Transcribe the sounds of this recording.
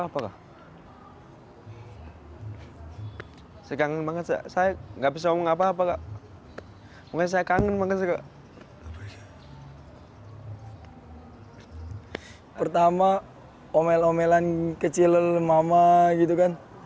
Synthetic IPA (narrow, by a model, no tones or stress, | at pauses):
apakaʔ | sakaŋənmaŋət̪sa̰sajaŋɡabis̬amɔŋap̬aːpakaʔ | mɔŋas̬ajakaŋənmaŋət̪sakaʔ | pərt̪ama | omɛlomɛlankət͡ʃiləlmamaɡit̪̬ukan